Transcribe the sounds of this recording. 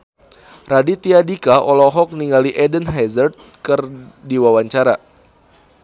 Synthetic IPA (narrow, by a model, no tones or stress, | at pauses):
radit̪iadikaʔɔlɔɦɔk̚niŋɡaliʔɛdənɦɛzərt̪̚kərdiwawaɲt͡ʃaɾa